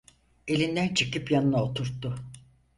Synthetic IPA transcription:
e̞lʲind̪ænt͡ʃʰɯkɯpjanɯnaot̪ʰuɾt̪ʰːʊ

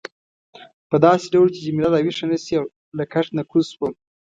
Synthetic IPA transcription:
pəd̪ɑseɖawlot͡ʃed͡ʒamilad̪awiʂanasiaw | lakʰaʂnakʰuswam

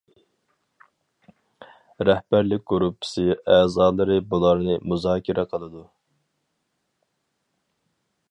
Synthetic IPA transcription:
ɾɛhbæɾlɪk̚ʲɡuɾupʰːɨ̥sɨɛːzɑːlˠɨɾɨbulˠɑɾnɨmuzɑːkʲʰiɾʔɛqʰəlˠɨd̪u

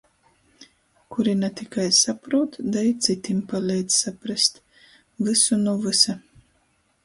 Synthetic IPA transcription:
kuɾinat̪ikajsapɾuːt̪d̪ajt̪sit̪impalʲɛjd̪z̥sapɾast̪ | vɨsunuvɨsa

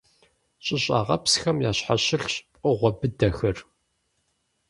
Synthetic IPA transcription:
ɕʼɪɕʼa̰ːʁɐ̰psxɐmjaːɕħaɕɪɬpʼɨʁʷɔbɨdɐxɐr

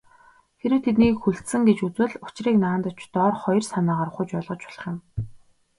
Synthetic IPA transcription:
xeɾɘ̆wt̪ʰet̪niːkxuɬt̪sɘ̆ŋɡet͡ɕut͡swɘ̆ɮʊt͡ɕriːknaːnt̪ʊt͡ɕt̪ɔːrχɔjrsanaːʁaːɾ̆χʊt͡ɕpɔɮʁɞ̆t͡ɕʊ̥ɮ̥ə̆χjɪ̆m

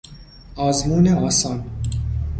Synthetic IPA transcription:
ɒːzmuːneʔɒːsɒːn

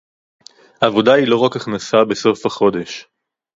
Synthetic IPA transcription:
aːvo̞dailo̞ʁakaχnasabe̞so̞fhaχo̞de̞ʃ

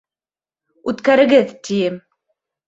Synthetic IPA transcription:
ut̪kæɾɘ̆ɡɘðt̪ʲʰijɘ

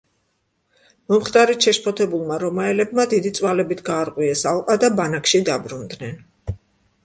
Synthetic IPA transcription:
mɔmχt̪ʼaɾit̪ʃɛʃpʰɔt̪ʰɛbulˠmaɾɔmaɛlɛbmad̪id̪it̪sʼwalɛbit̪ʰɡaːɾqʼwiɛsalˠqʼad̪abanakʰʃid̪abɾund̪nɛn

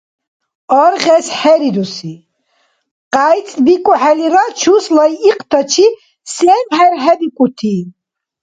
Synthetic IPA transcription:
ɔɾʁɛsħɛɾid̪usi | qʼajt͡sʼb̪ikʼuħɛliɾat͡ʃʰuslajːqʼt̪ʰɔt͡ʃʰi | sɛmhɛɾɦɛd̪ikʼut̪ʰiː

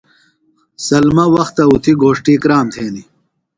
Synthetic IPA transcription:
sɐlmɐwɐxt̪ɐut̪ʰiɡoːʂʈikɾaːmt̪ʰeːni

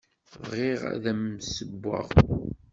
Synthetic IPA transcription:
vʁeʁæ̰ðæmsəbːə̰ʁ

